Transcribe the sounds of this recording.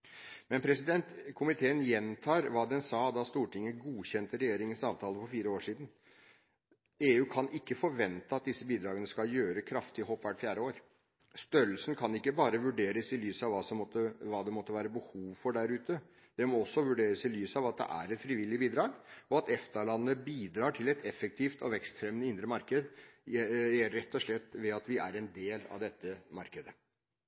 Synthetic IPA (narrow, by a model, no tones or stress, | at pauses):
mɛnpʰɾɛsɪd̪ɛnt̪kʰʊmɪt̪ʰeːənjɛnt̪ʰɑːɾʋɑːd̪ɛnsɑːd̪ɑst̪uːʈɪŋːəɡuːçɛnt̪əɾɛjeːɾɪŋənsɑːʋt̪ʰɑːləfɔɾfiːɾəoːʂiːd̪n̩ | eːʉːkʰɑnɪkːəfɔɾʋɛnt̪əɑt̪̚d̪ɪsːəbiːd̪ɾɑːɡənəskɑljøːɾəkʰɾɑft̪ɪɦɔːpːʋæʈfjæːɖəoːɾ | st̪œɾlsən̩kʰɑnɪkːəbɑːɾəʋʉɖeːɾəsɪlyːsɑʋʋɑsɔmɔt̪ːəʋɑːd̪ɛmɔt̪ːəʋæːɾəbəhuːʋfɔɖæɾʉːt̪ə | d̪̥ɛmɔɔsːɔʋʉɖeːɾəsɪlyːsɑʋɑt̪̚d̪ɛ̰ʔæ̰ɾɛt̪fɾiːʋɪlːɪbiːd̪ɾɑːɡɔɑt̪ɛft̪ɑɭɑnːəbiːd̪ɾɑːʈʰɪlɛt̪ʰɛfːək̚t̪ʰiːft̪ɔ̰ʋɛkst̪fɾɛmnəɪnd̪ɾəmɑɾkəd̪ | jɛɾɛt̪ːɔʂlɛt̪ːʋɛɑt̪ʋɪæ̰ɾɛnd̪eːlɑ̰ʋd̪ɛt̪ːəmɑɾkəd̪ə